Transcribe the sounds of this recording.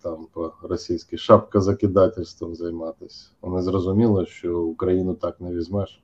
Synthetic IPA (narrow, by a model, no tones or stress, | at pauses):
t̪ɑmpɔrɔsʲijsʲkʲɪʃɑpkɐzɐkʲɪd̪ɑtʲɪlʲst̪ʋɐmzɐjmɑt̪ɪsʲ | ɔnɪzrɔzʊmʲilˠɔʃt͡ʃɔʊkɾɐjinʊt̪ɑknɛʋʲizʲmɛʃ